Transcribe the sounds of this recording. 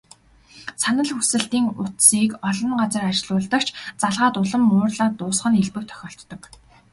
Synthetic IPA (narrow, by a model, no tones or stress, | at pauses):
sanə̆ɮxusɘ̆ɬt̪iːŋʊt̪siːkɔɮɞ̆ŋɢat͡sə̆rat͡ɕɪɮʊːɮt̪ə̆kt͡ɕʰt͡saɮʁaːt̪ʊɮə̆mːʊːrɮaːt̪ʊːsχə̆niɮpɘ̆k̚t̪ʰœ̥xʲɔːɬt̪ːɞ̆k